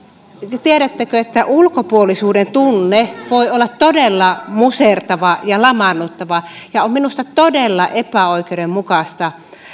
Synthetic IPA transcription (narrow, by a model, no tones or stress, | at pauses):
jɑt̪ieɾæt̪ːækøet̪ːæʔulkopuolisuːdent̪unːeʋoiolːɑt̪t̪odelːɑmusert̪ɑʋɑjɑlɑmɑnːut̪ːɑʋɑjɑomminust̪ɑt̪odelːɑʔepæoikeudemmukɑst̪ɑ